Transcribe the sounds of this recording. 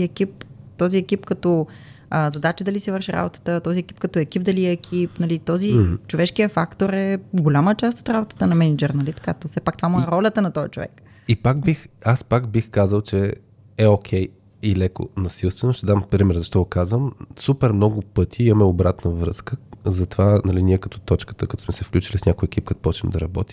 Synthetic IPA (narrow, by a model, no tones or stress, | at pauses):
iɛkipt̪ɔziɛkipkɐt̪ɔ | əzɐd̪at͡ʃəd̪ɐlisiɛvəɾʃiɾʔa̰bot̪ə̥t̪ət̪ɔziɛki̥p̚kɐt̪ɔɛkibd̪ɐliɛːkʰipnɐlit̪ɔzit͡ʃovɛʃkijəfakt̪oɾɛɡolʲamət͡ʃast̪o̥t̪ɾabot̪ə̥t̪ənɐmɛnid͡ʒoɾnɐlit̪kat̪ofsɛpak̚t̪ovamuɛɾɔlʲət̪ənɐt̪ɔjɐt͡ʃovɛ̰k | ipakbixaspakbixkazəlˠt͡ʃɛ | ɛɔkʲʰɛj | ilɛko̰nɐsilˠst̪vɛnʊʃt̪ɛd̪ampɾimɛɾzɐʃt̪ɔɡokazvəmsupɛɾmnɔɡʊpɤt̪ʲʰiimɐmɛobɾat̪nəvɾɤskəzɐt̪ovanɐliniɛkɐt̪ɔ̥t̪ɔt͡ʃkə̥t̪əkɐt̪ɔ̥smɛsɛfklʲut͡ʃilisnʲakʊjɛkip̚kɐt̪pɔt͡ʃɛmd̪ɐɾɐbɔt̪i